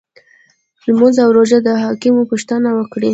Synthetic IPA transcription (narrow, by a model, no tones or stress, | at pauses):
lmuzawɾoʒad̪əɦɑkɪmupuʃt̪ənawəkɽi